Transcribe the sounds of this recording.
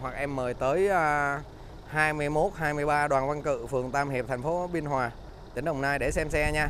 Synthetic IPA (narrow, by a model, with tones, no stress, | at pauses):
ɦwa˨˩k̚ʔɛ˧mːəː˨˩jt̪əː˨˦jə | haː˧jmɨ˧əjmo˦˥t̚haː˧jmɨ˧əjɓaː˧ɗwaː˨˩nva˧nkɨ̰˧˨fɨ˨˩əŋt̪aː˧mhi˨˩p̚t̪ʰɛ˨˩ŋ̟fo˨˦ɓi˧ənhɦwaː˨˩ | t̪i˨˦ŋ̟ɗə˨˩wŋ͡mnaː˧jɗe˧˩sɛ˧msɛ˧ɲaː˧